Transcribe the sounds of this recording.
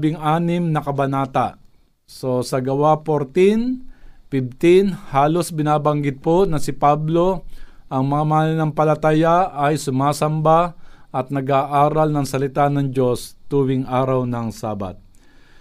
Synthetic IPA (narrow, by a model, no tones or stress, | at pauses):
bɪŋʔaːnɪmnɐkɐbɐnaːt̪a | so̞sɐɡɐwapoɾt̪ɪnpɪb̚t̪ɪnhaːlo̞sbɪnaːbɐŋɡɪd̪̚ponɐsɪpablo̞ʔɐŋmɐŋamɐanɪnɐŋpɐlɐt̪ajaʔɐjsʊmaːsɐmbaʔɐt̪̚nɐɡaːʔaːɾɐlnɐŋsɐlɪt̪anɐŋd͡ʒo̞st̪uːwɪŋʔaːɾɐwnɐŋsaːba̰t̪̚